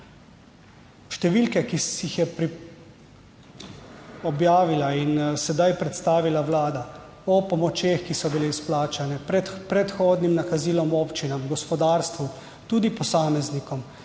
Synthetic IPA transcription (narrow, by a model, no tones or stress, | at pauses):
ʃt̪ɛʋiːlkɛkijixjɛpɾi | ɔbjaːʋilainsɛd̪ajpɾɛt̪st̪aːʋilawlaːd̪a | ɔpɔmɔt͡ʃjeːxkisɔbileisplaːt͡ʃanɛpɾɛpɾɛt̪xoːd̪nimnakaziːlɔmoːpt͡ʃinamɡɔspɔd̪aːɾst̪ʋu | t̪uːd̪ipɔsaːmɛznikɔm